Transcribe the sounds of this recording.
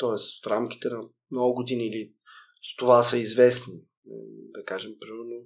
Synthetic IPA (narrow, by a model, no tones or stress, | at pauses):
t̪ɔɛsfɾamk̟i̥t̪ɛnɐ | mnɔɡʊɡʊd̪iniːli | st̪ovasɐizvɛsni | d̪ɐkaʒɛmpɾimɛɾno